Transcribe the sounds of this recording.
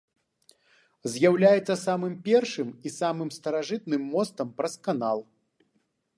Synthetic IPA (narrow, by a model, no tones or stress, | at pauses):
zʲjawlʲajɛt̪sːɐsamɨmpʲɛrʂɨmisamɨmst̪ɐɾaʐɨt̪̚nɨmːɔst̪ɐmpɾɐskanalˠ